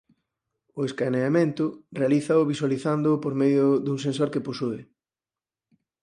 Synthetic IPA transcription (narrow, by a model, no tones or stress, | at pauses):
ʊeskaneamẽnt̪ʊrealiθɐʊβiswaliθand̪ʊpoɾmeðjʊðuŋsensoɾkeposuɪ